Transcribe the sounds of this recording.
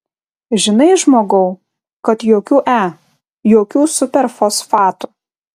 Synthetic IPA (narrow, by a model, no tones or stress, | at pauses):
ʒʲɪnɐɪʒmoːɡɐʊ | kɐt̪joːkʲuːʔæː | joːkʲuːsʊpʲɛɾfoːsfɑːt̪ʊ